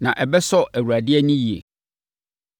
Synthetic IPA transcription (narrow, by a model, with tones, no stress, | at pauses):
nã˨ʔɛ˨bɛ˦sɔ˦æ˨wu˨ɾæ˨dɪ˦ɛ˦nʊ̃˦ji˨ḛ˨